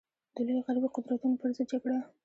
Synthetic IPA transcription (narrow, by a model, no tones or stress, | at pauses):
d̪̥əlojoɣaɾbiqʊd̪ɾat̪unopəɾzɪd̪̚d͡ʒaɡɽa